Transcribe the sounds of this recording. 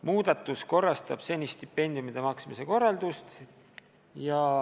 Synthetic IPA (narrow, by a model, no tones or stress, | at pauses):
muːd̪̥ɑt̪ːˑusko̞rːɑst̪ɑb̥se̞nʲist̪ipːe̞nʲd̪ijumid̪̥e̞mɑksmise̞ko̞rːɑld̪̥ust̪ | jɑ